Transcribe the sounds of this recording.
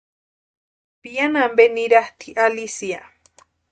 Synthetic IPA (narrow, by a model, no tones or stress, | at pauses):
pianambeniɾaht̪ʰiʔalisia